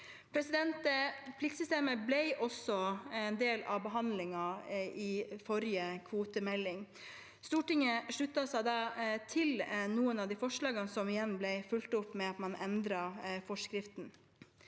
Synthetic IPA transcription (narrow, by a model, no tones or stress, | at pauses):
pʰɾɛsɪd̪ɛnt̪əpʰlɪkt̪sʏst̪eːməblɛɪʔɔsɔɛnd̪eːlɑʋbəɦɑnd̪lɪŋɑɪfɔɾjəkʰʋuːt̪əmɛlːɪŋ | st̪uːʈɪŋəʂɭʉt̪ːɑsæɪd̪ɑːt̪ʰɪlnuːənɑʋd̪ifɔʂɭɑːɡənsɔmɪjɛnːblɛɪfʉlt̪ʊpːmɛɑt̪mɑnʔɛnd̪ɾɑfɔʂkɾɪft̪n̩